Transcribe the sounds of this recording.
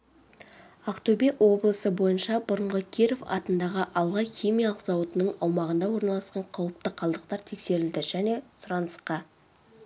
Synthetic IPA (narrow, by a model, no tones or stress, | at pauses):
aqt̪obeʔwo̞blˠəsəbo̞jənʃɑbʊɾəɴʁəkʲʰeɾofɑ̰t̪ənd̪ɑʁəʔɑlˠʁɑjχʲijmijɑlˠəqzɑwət̪ənəɴɑwmɑʁənd̪ɑwo̞ɾnɑlˠɑsqɑɴqʰɑwəp̚t̪əqʰːɑlˠd̪əqt̪ɑɾt̪ʰe̞kse̞ɾɪld̪ɪʒ̥æne̞sʊɾɑnəsqɑ